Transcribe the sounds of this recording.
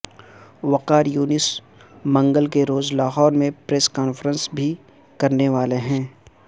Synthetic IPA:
ʋɐqaːɾjuːnɪs | mɐ̃ŋɡəlkeɾoːzlaːɦɔːɾmẽpɾeːskaːnfəɾə̃nsbʱi | kɐɾneʋaːleɦɛ̃ː

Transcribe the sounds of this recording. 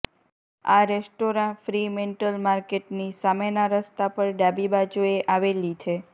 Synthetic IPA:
a̰ɾesʈoɾãfɾimeɳʈəlmaɾkeʈnisamenaɾəst̪apəɾɖabibad͡ʒoeʔaʋelit͡ʃʰe

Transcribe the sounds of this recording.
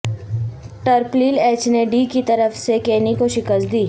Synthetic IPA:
ʈəɾpliːleːt͡ʃneɖiːkit̪ɐɾəfsekeːnikoʃɪkəst̪d̪iː

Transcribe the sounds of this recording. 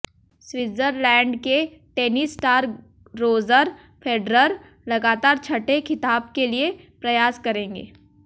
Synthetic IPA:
swɪzəɾlɛ̃ːɳɖkeʈeːnisʈaːɾ | ɾoːzəɾ | pʰeːɖɾəɾ | lɐɡaːt̪aːɾt͡ʃʰɐʈekʰɪt̪aːb̚keliepɾɐjaːskɐɾẽːŋɡḛː

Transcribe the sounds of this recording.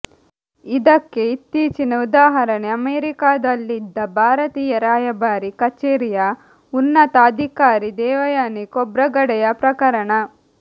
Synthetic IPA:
id̪ɐkːe̞it̪ːiːt͡ʃinɐud̪aːɦɐɾɐɳeɐmeːɾikaːd̪ɐlːid̪ːɐbʱaːɾɐt̪iːjɐɾaːjɐbaːɾikɐt͡ʃeːɾija | unːɐt̪aːd̪ʱikaːɾid̪ɛːʋɐjaːnikɔbɾɐɡɐɽɛjɐpɾɐkɐɾɐɳɐ

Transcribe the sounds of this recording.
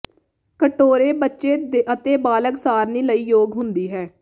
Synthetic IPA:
kəʈoːɾeːbətːʃeːd̪eʔət̪eːbaːləksaːɾniːləiːjoːɡɦʊnd̪iːɦɛː

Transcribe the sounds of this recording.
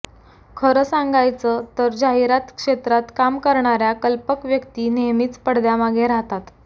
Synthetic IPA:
kʰəɾəsaŋɡajt͡sət̪əɾd͡ʑaɦiɾat̪kʂet̪ɾat̪kamkəɾɳaɾjakəlpəkʋjəkt̪iːneɦmiːt͡spəɽd̪jamaɡeɾaɦt̪at̪

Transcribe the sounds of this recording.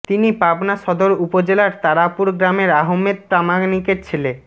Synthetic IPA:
t̪inipabnaʃɔd̪oɾupod͡ʑelaɾt̪aɾapuɾɡɾameɾaɦomːed̪̚pɾamaɡnikeɾt͡ɕʰile

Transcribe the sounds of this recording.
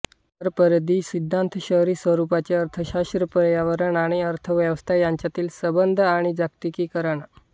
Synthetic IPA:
əɾpəɾd̪iːsid̪ʱːant̪ʰəɕəɦɾiːsʋəɾupat͡ɕeəɾt̪ʰəɕast̪ɾəpɾjaʋəɾəɳaɽ̃iəɾt̪ʰəʋjəʋəst̪ʰajaɲt͡ɕjat̪iːlsəbənd̪ʱaɽ̃id͡zakt̪ikiːkəɾəɳ

